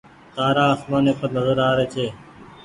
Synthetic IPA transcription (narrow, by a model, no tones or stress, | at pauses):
t̪aːɾaːəsmãːnẽːpənəzoːɾaːɾeːt͡ʃʰeː